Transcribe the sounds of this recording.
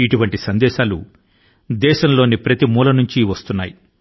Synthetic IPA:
iʈuʋɐɳʈisɐnd̪ɛːʃaːlṵ | d̪ɛːʃɐmlo̞ːnipɾɐt̪imuːlɐnuɲt͡ʃiʋɐst̪unːaːji

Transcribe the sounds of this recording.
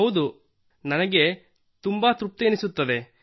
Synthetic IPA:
ɐwd̪u | nɐnɐɡe̞ | t̪umbat̪ɾup̚t̪eːnisut̪ːɐd̪e̞

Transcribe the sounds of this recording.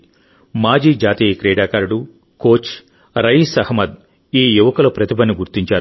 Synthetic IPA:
maːd͡ʒiːd͡ʒaːt̪iːkɾɛːɽaːkaːɾuɽu | koːt͡ʃ | ɾɐjisɐhmɐd̪ | iːjuʋɐkɐlɐpɾɐt̪ibɐnːiɡuɾt̪iɲt͡ʃaːɾ

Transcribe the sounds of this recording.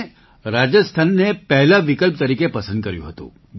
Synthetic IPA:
ɾad͡ʒəst̪ʰanːepɛɦlaʋɪkəlp̚t̪əɾikepəsə̃nd̪kəɾjṵ̃ɦət̪ṵ̃

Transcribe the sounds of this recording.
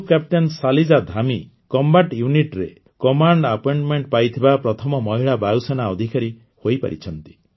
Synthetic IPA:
kap̚ʈensalid͡ʒad̪ʱami | kɔmbaʈjuniʈɾe | kɔmaɳɖapɔjɳʈmeɳʈpajt̪ʰibapɾɔt̪ʰɔmɔmɔɦiɭabausɔnaɔd̪ʱikaɾi | hojpa̰ɾḭt͡ʃʰɔnt̪i̥

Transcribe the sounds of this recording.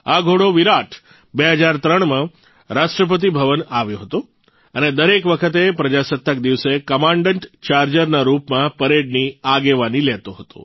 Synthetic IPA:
aɡʱoɽoʋiɾaʈʰ | beɦəd͡ʒaɾt̪ɾəɳmã | ɾaʃʈɾəp̬ət̪̬ibʱəʋənaʋjõɦət̪o | əned̪əɾekʋəkʰət̪epɾəd͡ʒasət̪ːək̚d̪iʋsekəmãɳɖəɳʈt͡ʃaɾd͡ʒəɾnaɾupmãpəɾeɖniaɡeʋanilɛt̪oɦət̪o̰

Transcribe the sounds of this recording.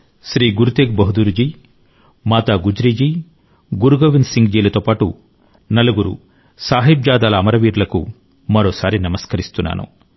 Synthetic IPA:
ʃɾiːɡuɾut̪eːɡbɐɦud̪uɾd͡ʒiː | maːt̪aːɡud͡ʒɾiːd͡ʒiː | ɡuɾuɡoːʋinsiŋɡd͡ʒiːlɐt̪oːpaːʈu | nɐluɡuɾṵ | saːɦib̚d͡ʒaːd̪aːlɐːmɐɾɐʋiːɾulɐkṵ | mɐɾoːsaːɾinɐmɐskɐɾist̪unːa̰ːnʔṵ

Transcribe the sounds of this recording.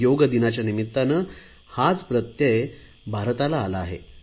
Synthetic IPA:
joɡəd̪inat͡ɕjanimit̪ːanə | had͡zpɾət̪je | bʱaɾt̪alaːlaːɦḛ

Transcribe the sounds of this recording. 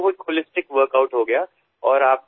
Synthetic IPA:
ɦʊt̪̚holɪsʈɪkʋəɾkaʊʈɦoɡɐjaː | ɔːɾaːp̚

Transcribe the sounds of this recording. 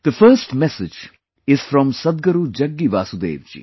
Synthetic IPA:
d̪̥əfəːsʈmɛsɪd͡ʒ | ɪz̥fɾɔ̃msɐd̪̚ɡəɾud͡ʒɐɡːiʋaːsud̪ḛːʋd͡ʒḭ

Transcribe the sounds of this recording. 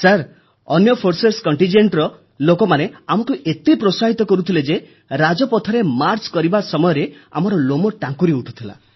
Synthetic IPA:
saɾ | ɔnjɔpʰoɾseɾskɔɳʈind͡ʒeɳʈɾɔ | lokɔmaneamɔkuʔet̪ipɾosaɦit̪ɔkɔɾut̪ʰiled͡ʒe | ɾad͡ʒɔpɔt̪ʰɔɾemaɾt͡ʃkɔɾibasɔmɔjɔɾea̰mɔɾɔlomɔʈãŋkuɾiuʈʰu̥t̪ʰila̰

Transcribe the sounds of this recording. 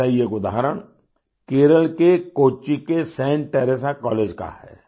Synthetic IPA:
ɐjəkʊd̪aːɦəɾəɽ̃ | keːɾəlkekoːt͡ʃikesɛ̃ːɳʈɛːɾeːsakɔːleːd͡ʒka̰hɛ̰ː

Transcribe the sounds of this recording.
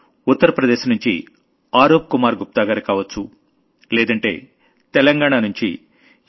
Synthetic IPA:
ut̪ːɐɾɐpɾɐd̪eːʃnuɲt͡ʃḭ | aːɾoːp̚kumaːɾɡup̚t̪aːɡaːɾikaːʋɐt͡ʃːu | lɛːd̪ɐɳʈe̞̰ː | t̪ɛlɐŋɡaːɳanuɲt͡ʃḭ

